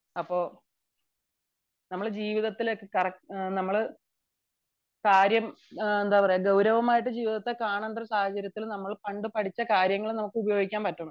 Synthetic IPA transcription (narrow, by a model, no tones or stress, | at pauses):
ɐpːo̞ː | nɐmːɐɭd͡ʑiːʋiðɐt̪ːilkːɨkɐrɐknɐmːɐɭ | kaːɾjɐmend̪aːpɐrɐjaɡɐwɾɐʋɐmaːjiʈ̬ːɨd͡ʑiːʋiðɐt̪ːekaːɳanɖ̪rɐsaːhɐt͡ɕɐɾjɐt̪ːilnɐmːɐɭpɐɳɖɨpɐʈʰit͡ɕːɐkaːɾjɐŋːɐɭnɐmukːɨubɐjo̞ːɡikʲːaːmpɐtːɐɳu